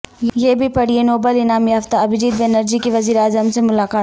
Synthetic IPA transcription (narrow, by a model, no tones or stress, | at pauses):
jebʱipɐɽ̤ienoːbəlɪnaːmjɐft̪aɐbɪd͡ʒiːd̪benəɾd͡ʒikeʋɐziːɾeaːzəmsemʊlaːkaːt̪